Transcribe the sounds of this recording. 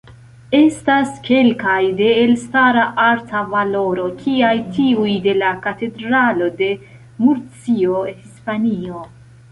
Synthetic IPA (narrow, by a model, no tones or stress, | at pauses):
e̞staske̞lkajde̞ːlstaɾaʔaɾtʰavalo̞ɾo̞kʰiajtiujde̞lakate̞dɾalo̞de̞ | muɾt͡sio̞hispanio̞